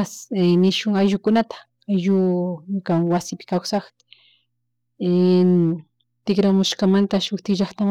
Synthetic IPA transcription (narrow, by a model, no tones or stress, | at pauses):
snɪʃʊŋajʒʊkʊnat̪ḁ | ajʒʊɲkaŋwasɪpɪ̥kawsɑχ | t̪ɪkɾamʊʃkamant̪aʃʊkt̪ɪʒɑχt̪am